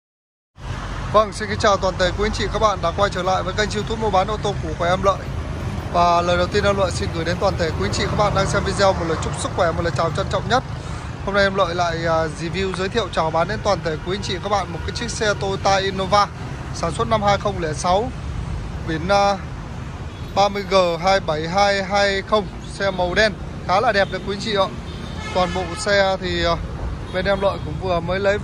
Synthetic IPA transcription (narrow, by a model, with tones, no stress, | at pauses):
və˧ŋsi˧nki˨˧˦ŋt͡ɕaː˨˩wt̪waː˨˩nt̪ʰe˧˩kwi˨˦ə˦nt͡ɕḭ˧˨kaː˦˥k̚ɓa̰ː˧˨nɗa̰ː˧˥kwaː˧jt͡ɕəː˧˩la̰ː˧˨jvəː˨˦jka˧jŋt͡ɕi˧wt̪ʰu˦˥t̚mo˧ɓaː˨˦nʔo˧wt̪o˧ku˧˩əkwɛ˧˩ʔɛ˧mlə̰ː˧˨jvaː˨˩ləː˨˩jɗə˨˩wt̪i˧ə˧nɗaː˧lə̰˧˨jsi˧nɣjɗe˨˦nt̪waː˨˩nt̪ʰe˧˩kwə˦nt͡ɕḭ˧˨ka˦˥k̚ɓa̰ː˧˨nɗaː˧ŋsɛ˧mvi˧zɛ˧wmo˨˩t̚ləː˨˩jt͡ɕʊ˦˥k͡p̚sɨ˦˥k̚xwɛ˧˩mo˨˩t̚ləː˨˩t͡ɕaː˨˩t͡ɕa˧nt͡ɕɔ̰˧˨wŋ͡mɲə˦˥t̚ | ho˧mŋ͡mna˧jʔɛ˧mlə̰ː˧˨jla̰ː˧˨jzi˨˧˩vi˧wzəː˨˦jt̪ʰḭ˧˨ə˨wt͡ɕɔ˧˩ɓaː˨˦nɗe˨˧˦nt̪waː˨˩nt̪ʰe˧˩kwi˨˦ŋt͡ɕḭ˧˨kaː˦˥k̚ɓa̰ː˧˨nmo˨˩kaː˨˦j̚t͡ɕï˦˥k̚sɛ˧t̪o˧t̪aː˧ʔi˧no˧vaː˧ | saː˧˩nswt̚na˧mhaː˧jxə˧wŋ͡mlɛ˧˩sa˨˦w | ɓi˨˧˩ənː˧ | ɓaː˧mɨ˧əjɣəː˨˩ɦaː˧jɓə˧˩jɦaː˧jɦaː˧jxə˧wŋ͡m | sɛ˧mə˨˩wɗɛ˧n | xaː˨˦la̰ː˧˨˩ɗɛ˨˩p̚ɗə˨˩kwu˨˦ɲt͡ɕḭ˧˨ə̰ː˧˨ | t̪waː˨˩nɓo̰˧˨sɛ˧t̪ʰi˨˩˨ɓe˨˧˩nʔɛ˧mlə̰ː˧˨jkʊ̰˧˥ŋ͡mvɨ˨˩əməː˨˦jlə˨˦j